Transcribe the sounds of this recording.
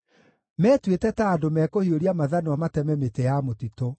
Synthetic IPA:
mɛːtwetɛtaːdomɛːkohioɾiamaðanoamatɛmɛmetɛjamotito

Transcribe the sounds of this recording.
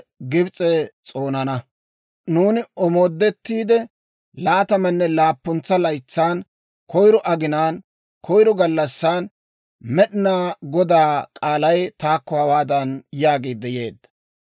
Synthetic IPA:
ɡɪbt͡sʼɛt͡sʼo̞ːnɐnɐ | nuːnɪɔmoːd̪ːɛt̪ːiːd̪ɛ | laːt̪ɐmɐnːɛlaːpːʊnt͡sːɐlɐjt͡sːaːn | kɔjɾɔʔɐɡɪnaːn | kʰɔjɾɔɡɐlːɐsːaːn | mɛɗɪnaːɡɔd̪aːkʼaːlɐjt̪aːkːɔhɐwaːd̪ɐnjaːɡiːd̪ːɛjeːd̪ːɐ̥

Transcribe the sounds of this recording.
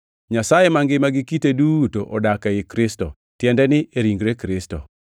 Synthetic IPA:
ɲasajemaŋɡɪmaɡɪkitedutoʔɔdakaɪkɾɪstɔ̰ | tjɛndɛnɪʔeɾiŋɡɾekɾɪstɔ̰

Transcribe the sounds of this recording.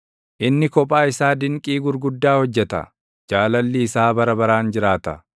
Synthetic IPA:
ʔɪnːɪkɔpʼːaːɪsaːd̪ɪŋkʼiːɡʊɾɡʊd̪ːaːhɔd͡ʒːɛt̪ɐ̰ | d͡ʒaːlɐlːiːsaːbɐɾɐbɐɾaːnd͡ʒɪɾaːt̪ɐ

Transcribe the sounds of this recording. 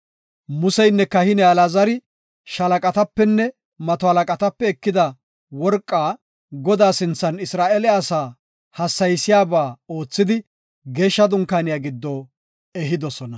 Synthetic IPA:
mʊsɛjnːɛkɐhɪnɛɐlazɐɾɪ | ʃɐlɐkʼɐt̪ɐpːɛnːɛ | mɐt̪ɔhɐlɐkʼɐt̪ɐpːɛɛkːɪd̪ɐ | wɔɾkʼːaː | ɡɔd̪aːsɪnt͡sːɐnɪsɾaːʔɛlɛɐːsaː | hɐsːɐjsɪjaːbaːo̞ːt͡sːɪd̪ɪ | ɡe̞ːʃːɐd̪ʊŋkaːnɪjaːɡɪd̪ːɔː | ɛɦɪd̪ɔsɔnɐ

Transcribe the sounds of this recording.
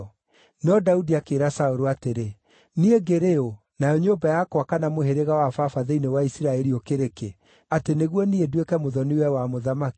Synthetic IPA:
nɔdaudiakeːɾasaoɾoateɾe | nieɡeɾeo | najɔɲombajakwakanamoɦeɾeɣawafafaðeinewaisiɾaɛɾiokeɾeke | ateneɣwɔniedwekɛmoðɔniwɛwamoðamaki̥

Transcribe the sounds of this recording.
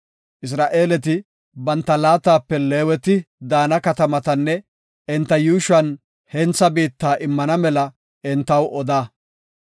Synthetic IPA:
ʔɪs̬ɾaːʔeːlɛt̪̬ɪ | bɐnt̪ːɐlaːt̪aːpːɛleːwɛt̪ɪd̪aːnɐkɐt̪ɐmɐt̪ɐnːɛ | ɪnt̪ːɐjuːʃɐn | hɛnt͡sːɐbiːt̪ːaːʔɪmːɐnɐmɛlɐ | ɪnt̪ːɐwʔɔd̪aː

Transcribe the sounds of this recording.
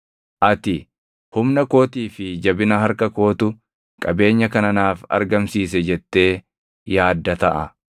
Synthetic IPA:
ʔɐt̪ɪ | hʊmnɐko̞ːt̪iːfɪd͡ʒɐbɪnɐhɐɾkɐko̞ːt̪ʊ | kʼɐbe̞ːɲːɐkɐnɐnaːfɐ̰ɾɡɐmsiːs̬ɛd͡ʒɛt̪ːe̞ː | jaːd̪ːɐt̪ɐʔɐ̰

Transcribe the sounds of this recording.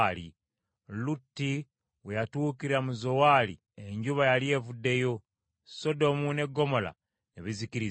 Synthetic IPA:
lḭ | lutːi | wejatuːkiɾamuzo̞waːlḭ | eɲɟuβajalie̞ːvudːe̞jo̞ | so̞do̞mune̞ɡːo̞mo̞la̰ | neβizikiɾi

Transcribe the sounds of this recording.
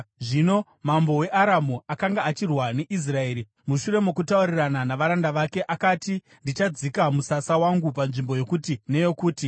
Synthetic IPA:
ʐino̞ | mambo̞we̞ʔaɾamuakaŋɡaːt͡ʃirwane̞ʔis̬rae̞ːɾi | muʃuɾe̞mo̞kutaurirananaʋaɾandaʋake̞ʔakati | ndit͡ʃad͡zikamusasawaŋɡupanʐimbo̞jo̞kutine̞jo̞kuːti

